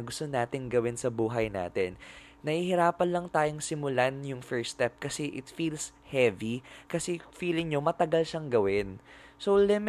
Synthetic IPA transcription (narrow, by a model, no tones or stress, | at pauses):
ɡʊst̪onaːt̪ɪŋɡɐwɪnsɐbuːɦɐjna̰ːt̪ɛnː | ɐhihɪɾaːpɐnlɐŋt̪aːjoŋsɪmʊlanjʊŋfɛɹst̪ɛp̚kɐsɛʔɪt̪fiːlshɛvikɐsɛfiːlɪŋɲomɐt̪ɐɡalʃɐŋɡɐwɪnsowlɪm